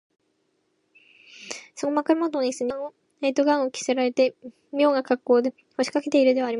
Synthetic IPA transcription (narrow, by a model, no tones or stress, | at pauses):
sokomakaɾɯmot̪oɲisɨɲão | eit̪oɡãɰ̃okʲi̥se̞ɾaɾe̞t̪e | mʲjo̞ːŋɡakakːo̞ːd̪e̞ | ho̞ɕi̥kake̞t̪e̞iɾɯ̟d̪e̞βaːɾʲim